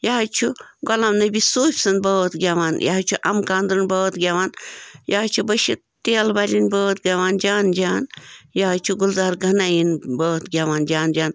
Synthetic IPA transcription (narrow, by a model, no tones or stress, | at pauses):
jaːt͡ʃʰuɡɔlɐmnɐbʲisoːpʲsɐnbɐːt̪ɡʲaʋaːnja̰ɦt͡ʃʰuʔɐmkaːnd̪ɾɨnbɐːt̪ɡʲaːʋaːnjaːt͡ʃʰubɐʃi | t̪eːlbalʲinbəːt̪ɡʲaʋaːnd͡ʒaːnd͡ʒaːnjaɦt͡ʃʰuɡulzaːɾɡɐnajinbəːt̪ɡʲaːʋaːnd͡ʒaːnd͡ʒaːn